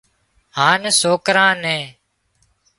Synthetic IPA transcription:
ɦãːnesoːkɾãːnɛ̃ː

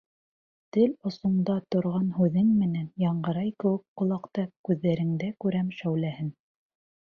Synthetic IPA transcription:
t̪ɘlŏsŏɴd̪ɑt̪ŏɾʁɑnhʉðɘŋmɘ̆nænjɑɴɢɤ̆ɾɑjkɘ̆wɘk̚qŏlˠɑqt̪ɑkʉðːæɾɘ̆ŋd̪ækʉɾæmʃæwlæhɘn

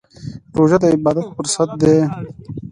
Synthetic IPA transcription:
ɾoːʒad̪əɪbɑːd̪at̪fuɾsat̪̚d̪e

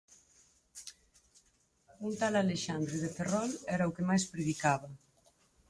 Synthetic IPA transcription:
unt̪alaleʃand̪ɾeðeferɔlɛɾaukemajspɾeðikaβa

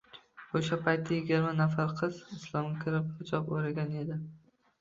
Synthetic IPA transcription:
oʃapʰajt̪ːajɪɡʲɪɾmanafaɾqʰɨz̥ɪslˠɒmʲkʲʰɪɾɪp̚hɪd͡ʒɒpoɾaɡʲane̞d̪ɪ

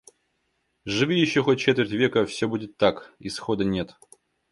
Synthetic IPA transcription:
ʐɨvʲijɪɕːoxot̚ʲt͡ɕet̪vʲɪrʲtʲvʲekəfsʲobudʲɪt̪ːakisxod̪ənʲe̞t̪

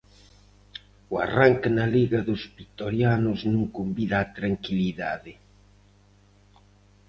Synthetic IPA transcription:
ʊa̰raŋkɪnaliɣɐðʊzβit̪oɾjanʊznũŋkombiðaːt̪ɾaŋkiliða̰ðɪ

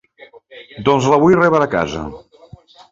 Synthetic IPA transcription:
d̪ɔnzləβujrɛβəəka̰zə̰

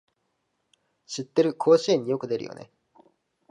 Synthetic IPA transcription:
ɕit̪ːe̞ɾɯ̟kʰo̞ːɕiẽɲ̟ːijo̞kɯ̟d̪e̞ɾɯ̟jo̰ne̞̰

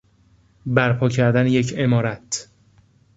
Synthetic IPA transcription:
bæɾpʰɒːcʰæɾd̪ænejecʰe̞mɒːɾæt̪ʰ

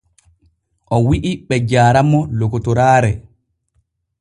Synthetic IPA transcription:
ʔɔwiʔiɓɛd͡ʒaːɾamɔlokɔtɔɾaːɾɛ

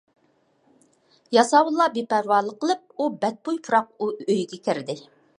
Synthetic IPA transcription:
jɑsɑwulˠːɑbepæɾwɑːlˠəqʰːəlˠɨp̚ubɛt̪̚pujpʰuɾɑq̚uøjɡʲɛkʲɪɾd̪ɪ

